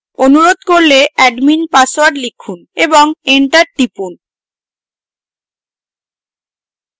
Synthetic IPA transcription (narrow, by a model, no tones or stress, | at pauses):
onuɾod̪koɾleʔɛɖminpasowaɖlikʰːuneboŋeɳʈaɾʈipun